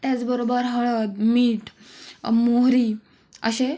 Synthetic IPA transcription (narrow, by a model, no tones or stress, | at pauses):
t̪jat͡sbəɾobəɾɦəɭəd̪miːʈʰ | moɦɾi | ə̰ɕe